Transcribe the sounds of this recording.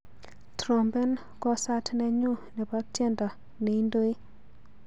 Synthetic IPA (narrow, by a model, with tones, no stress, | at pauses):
tɾo˨mbɛ˦n | kɔ˦sa˦tnɛ˦ɲu˦nɛ˨ba˦tjɛ˦nda˨ | nɛ˨i˦ndo˦i˦